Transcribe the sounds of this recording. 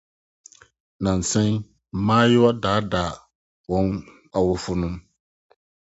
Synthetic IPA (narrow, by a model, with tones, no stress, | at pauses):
na˨n˨sɛ˦ŋ˨˦ | maː˦jɪ˦wa˦daː˨˦daː˨ | wɔ˨˦ŋ | a˨wʊ˦fʊ˦nʊ̃˦m